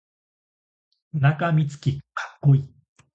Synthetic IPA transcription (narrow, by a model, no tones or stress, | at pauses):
nakamʲit͡sɨ̥kʲikʰḁkːoi